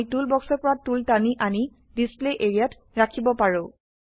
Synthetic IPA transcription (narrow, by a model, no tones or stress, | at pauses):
tulbɔksɔɹpɔɹatultaniʔani | displeʔeɹiat | ɹakʰibɔpaɹʊ